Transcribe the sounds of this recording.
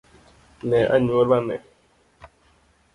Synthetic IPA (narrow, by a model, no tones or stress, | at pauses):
nɛʔa̰ɲuolanɛ̰